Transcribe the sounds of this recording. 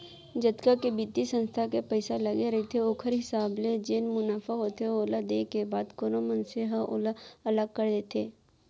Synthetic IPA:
d͡ʒɐt̪kakebit̪isə̃nst̪ʰakepɛɪsalɐɡeɾɐɦet̪ʰeoːkʰəɾɦɪsaːbled͡ʒeːnmʊnaːfaɦoːt̪ʰeoːlad̪eːkebaːd̪koːnõmənseɦɐʔo̰ːlaɐləɡ̚kɐɾd̪eːt̪ʰeː

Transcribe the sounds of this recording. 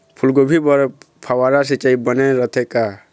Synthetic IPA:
pʰulɡobʱibəɾ | pʰawaɾas̬it͡ʃaibəneɾət̪ʰeka

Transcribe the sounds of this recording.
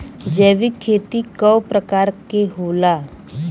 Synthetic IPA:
d͡ʒɛːʋikʰːeːt̪ikəwpɾəkaːɾkeɦoːlaː

